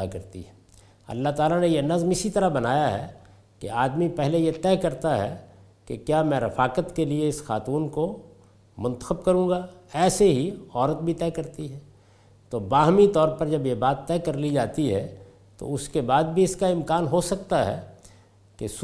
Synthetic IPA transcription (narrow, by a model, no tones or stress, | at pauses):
akɐɾt̪ḭɦɛ | ɐ̰lːaɦt̪aːlanejenɐzmɪsit̪ɐɾaɦbɐnaːjaɦɛ̰ | kḛaːd̪mipɛɦlejet̪ɛːkɐɾt̪aɦɛ̰ | kḛkjaːmɛ̃ɾɪfaːkət̪kelieɪsxa̰ːt̪uːnko | mʊ̃nt̪ə̥xəbkɐɾũːɡaɛːseɦiɔːɾət̪̚bʱit̪ɛːkɐɾt̪iɦɛː | t̪obaːɦmit̪ɔːɾpɐɾd͡ʒɐbjebaːt̪ːɛːkɐɾlid͡ʒaːt̪iɦɛ̰ | t̪o̰ʊskebaːd̪̚bʱiɪskaɪ̃mkaːnɦosɐk̚t̪aɦɛ̰ː | kes